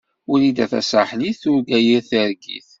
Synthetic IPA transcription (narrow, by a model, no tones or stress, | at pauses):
ʊɾid̪æθæ̰saħniθʊɾɡæjiɾθəɾɡḭθ